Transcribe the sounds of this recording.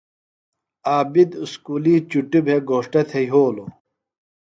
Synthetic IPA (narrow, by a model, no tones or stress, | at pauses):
aːbid̪uskuːliːt͡ɕuʈibʱeɡoːʂʈɐt̪ʰejɦoːlo